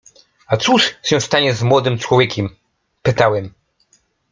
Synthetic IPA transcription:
at̪suʂɕɛ̃st̪aɲɛzmwɔd̪ɘmt͡ʂwɔvʲjɛkʲɛm | pɘt̪awɛm

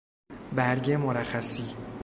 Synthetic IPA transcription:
bæɾɟemoɾæxæsiː

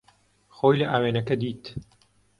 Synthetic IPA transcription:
xoːjlɐʔaːweːnɐkɐd̪iːt̪

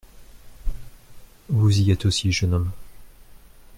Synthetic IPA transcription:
vuziɛt̪osiʒənɔm

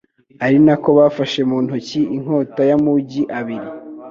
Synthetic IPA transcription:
aɾinako̞βafaʃe̞muːnhuciiŋ̥ho̞ːtajamuɟiʔaβiɾi

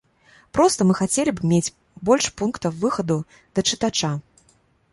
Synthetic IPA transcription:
pɾɔst̪ɐmɨxat͡sʲelʲibmʲet͡sʲ | bɔlʲʂpunkt̪ɐwvɨxɐd̪u | d̪̥ɐt͡ʂɨt̪at͡ʂa

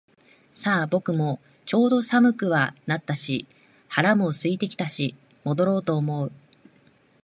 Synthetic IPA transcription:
saːbo̞kɯ̟mo̞ | t͡ɕo̞ːd̪o̞samɯ̟kɯ̟βanat̪ːaɕi | haɾamo̞sɨit̪e̞kʲi̥t̪aɕi | mo̞d̪o̞ɾo̞ːt̪o̞ːmo̞ɯ̟

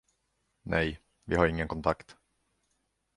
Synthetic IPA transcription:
nʔɛj | vɪhaɾɪŋːənkʰɔnt̪ʰakt̪

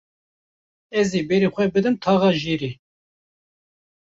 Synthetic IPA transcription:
ɛziːbɛɾixʷɛbɨd̪ɨmt̪ʰɑːɣɑːʒiːɾiː

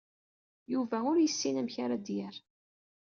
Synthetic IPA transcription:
juvæʊɾjəsːinæmçaɾad̪jæɾ

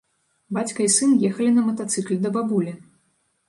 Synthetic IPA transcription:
bat͡sʲkɐisɨnjɛxɐlʲinɐmɐt̪at̪sɨklʲd̪ɐbabulʲi

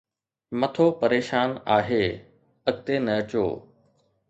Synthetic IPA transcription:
mɐt̪ʰoːpɐɾeːʃaːnaːɦeː | ɐɡ̚t̪enɐət͡ɕo̰ː

